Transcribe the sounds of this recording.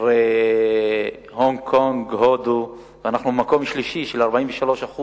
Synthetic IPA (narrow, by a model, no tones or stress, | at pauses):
ʁe | hoŋkʰoŋɡhod̪u | veanaχnuemako̞mʃliʃiʃelaʁbaiɱveʃalo̞ʃaχu